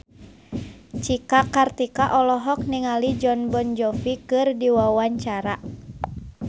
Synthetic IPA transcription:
t͡ʃikakart̪ikaʔɔlɔɦɔk̚niŋalid͡ʒɔnbɔnd͡ʒɔfikɨrdiwawaɲt͡ʃaɾa

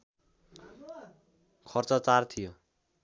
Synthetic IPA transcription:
kʰʌrt͡sʌt͡sart̪ʰijo

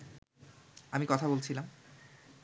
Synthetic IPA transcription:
amikɔt̪ʰabolt͡ɕʰilam

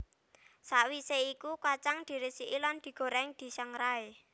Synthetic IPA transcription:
saʔwiseikukat͡ʃaŋd̪̥i̤ɾesiʔiland̪̥i̤ɡ̥o̤ɾɛŋd̪̥i̤saŋɾae

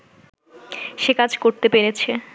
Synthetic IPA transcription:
ʃekad͡ʑʱkoɾt̪epeɾet͡ɕʰe

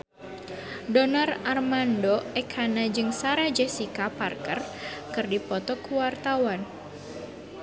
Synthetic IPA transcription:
dɔnararmandɔɛkʰanad͡ʒɨŋsaɾad͡ʒɛsikaparkərkɨrdipɔt̪ɔkuwart̪awan

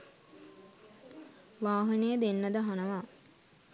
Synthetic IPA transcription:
ʋaːɦənəjəd̪enːəd̪əɦanəʋa

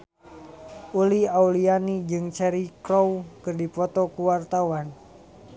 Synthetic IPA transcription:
uliaulianid͡ʒɨŋt͡ʃɛɾikɾɔwkɨrdipɔt̪ɔkuwart̪awan

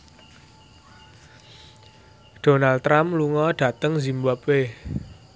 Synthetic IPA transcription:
d̥onalt̪ɾamluŋɔɖ̥ä̤t̪əŋzimbapwe

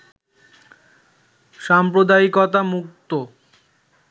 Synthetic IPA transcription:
ʃampɾod̪aikɔt̪amuk̚t̪o

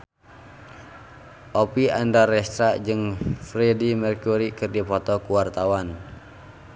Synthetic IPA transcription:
ʔɔpiandarɛst̪ɾad͡ʒɨŋfɾɛdimɛrkuɾikɨrdipɔt̪ɔkuwart̪awan

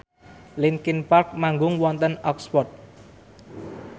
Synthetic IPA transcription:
lɪnkɪnpark̚maŋɡʊŋwɔnt̪ənɔkspɔt̪̚

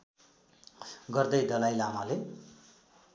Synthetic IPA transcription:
ɡʌrd̪ʌjd̪ʌlajlamale

